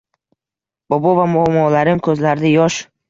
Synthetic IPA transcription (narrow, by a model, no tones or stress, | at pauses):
bɒbɒvamʊamːɒlaɾɪmkʰɵzlaɾd̪ɪjɒʃ